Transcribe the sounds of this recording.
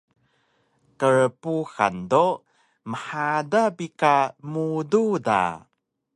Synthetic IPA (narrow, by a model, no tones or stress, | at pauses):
kəɾpuxa̰ndo | məħadabikamududa̰